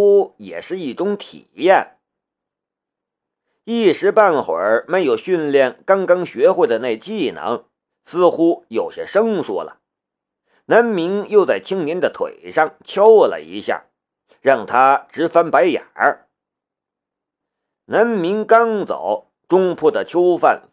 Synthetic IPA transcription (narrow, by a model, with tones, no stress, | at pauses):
u˥jɛ̰˨˩ʂɻ̩˥˧i˥˩ʈ͡ʂʊ˥ŋt̪ʰḭ˨˩jɛ˥˩n | i˥˩ʂɻ̩˧˥pa˥˩nxwə̰˨˧˥me˧˥ɪjo˨˩ʊɕy˥˧nljɛ˥˩nkɑ˥ŋkɑ˥ŋɕɥɛ˧˥xwe˥˩ɪd̪ə˩ne˥˧ɪt͡ɕi˥˩nə̰˧˥ŋ | sɹ̩˥˧xu˥jo˨˩ʊɕɛ˥ʂɤ˥ŋswɔ̰˥lə̰˩ | na˧˥nmi˧˥ŋjo˥˧ʊt͡sa˥˩ɪt͡ɕʰi˥ŋnjɛ˧˥nd̪ə˨t̪ʰwḛ˨˩ɪʂɑ˥˩ŋt͡ɕʰjɑ˥ʊllə̰˨˩ḭ˧˥ɕja̰˥˩ | ɻɑ˥˩ŋt̪ʰa˥ʈ͡ʂɻ̩˧˥fa˥npa˧˥ɪja̰˨˩ | na˧˥nmi˧˥ŋkɑ˥ŋt͡sɑ̰˨˩˦ʊ | ʈ͡ʂʊ˥ŋpʰɔ˥˩d̪ə˩t͡ɕʰjo˥ʊfa˥˩n